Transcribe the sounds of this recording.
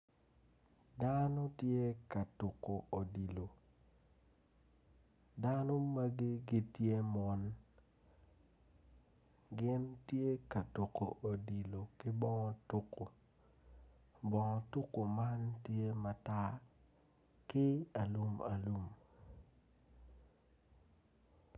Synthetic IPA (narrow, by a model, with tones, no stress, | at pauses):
da˦no˦tje˦ka˨tu˨ko˨ʔo˨di˨lo˨ | da˦no˦ma˦ɡi˦ɡi˦tje˦mɔ˦n | ɡɪ˦ntje˦ka˨to˨ko˨ʔo˨di˨lo˨kɪ˦bɔ˦ŋɔ˦tu˦ko˨ | bɔ˨ŋɔ˨tu˦ko˨ma˦ntje˦ma˨ta˦ | kɪ˦a˨lu˦ma̰˨lu˦m